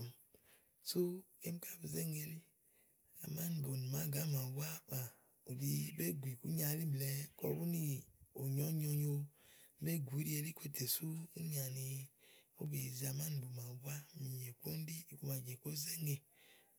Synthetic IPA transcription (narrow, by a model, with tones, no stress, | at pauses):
m | so˦ke˦m˦ka˦bu˨ze˦ŋe˨li˦ | a̰˨ma˦n˨bo˨n˨ma˨˦ɡa˨˦ma˨wʷa˦ma˨ | u˨bi˦be˦ɡʷi˨ku˦ɲa˨˦li˦blɛ˨kɔ̰˨˦bu˦ni˦o˨ɲɔ˦ɲɔ˧ɲo˦be˦ɡʷi˨˦ɾi˦e˧li˦ke˦tʰe˨su˦u˦ɲa˨ni˨o˦be˨za˨ma˦n˨bo˨ma˨wa˦mi˨je˨ko˦n˦di˦˨ku˨ma˨d͡ʒe˨ko˦ze˦ŋe˨